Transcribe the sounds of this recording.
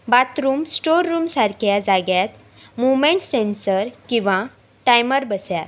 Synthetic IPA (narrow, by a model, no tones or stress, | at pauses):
bat̪ɾuːmsʈoɾːuːmsaɾkʰjad͡zaɡjat̪ | muʋmeɳʈsensəɾkĩʋa | ʈajməɾbəsjat̪